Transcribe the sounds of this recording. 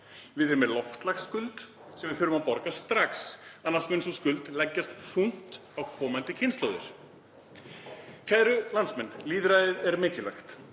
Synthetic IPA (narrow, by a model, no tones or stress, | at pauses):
vɪðɛɾʏmɛlɔft̪laxskʏlt̪ | sɛmvɪðfʏɾʏmaðpɔɾkast̪ɾaksanːasmɛnsɔskʏlt̪lɛcːast̪r̥uŋ̥t̪ | awkʰɔːmant̪ɪcʰɪnst̪ɔwðʏ̰ɾ̥ | kʰvɛðɾʏlansmɛnːliːðɾajɪðɛɾmɪːcɪlɛxt̪